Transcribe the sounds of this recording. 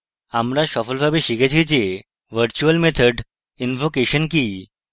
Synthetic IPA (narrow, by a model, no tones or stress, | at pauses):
amɾaʃɔfəlbabiʃikət͡ɕʰit͡ɕe | ʋəɾt͡ɕuəlmet̪ʰəɖ | infokeʃənki